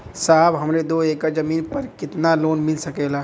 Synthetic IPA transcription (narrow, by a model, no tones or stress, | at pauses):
saːbɦəmɾed̪oekad͡ʒəmiːnpəɾkɪt̪naloːnmɪlsəkɛla